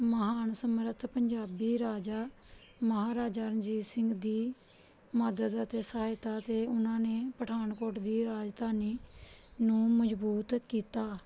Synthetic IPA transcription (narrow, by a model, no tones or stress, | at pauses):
məɦaːnsəmɾət̪ʰpəɲd͡ʒaːbiːɾaːd͡ʒaː | məɦaːɾaːd͡ʒaːɾənd͡ʒiːsɪŋɡd̪iː | məd̪əd̪ət̪eːsəɦaːɪt̪aːt̪eːʊnãːneːpəʈʰaːnkoːʈd̪iːɾaːd͡ʒd̪aːniːnũːməd͡ʒbuːt̪kiːt̪aː